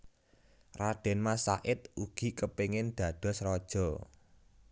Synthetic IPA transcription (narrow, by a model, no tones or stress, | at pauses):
raɖ̪̥ɛ̤nmasa̰ʔɪt̪̚uɡ̥i̤kəpeŋɪnd̪̥ä̤d̪̥ɔ̤srɔd̥ʒ̥ɔ̤